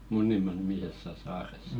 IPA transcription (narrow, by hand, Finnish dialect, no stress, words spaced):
munːimɑˑ nimisesːæ sɑːresːɑ̥